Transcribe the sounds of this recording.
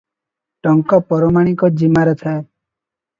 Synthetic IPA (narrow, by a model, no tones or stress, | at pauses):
ʈɔŋkɔpɔɾɔmaɽ̃ikɔd͡ʒimaɾet̪ʰae